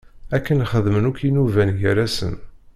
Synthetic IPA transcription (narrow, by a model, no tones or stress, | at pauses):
ækːənχəðmənʊkinuvænʝəɾæsə̰n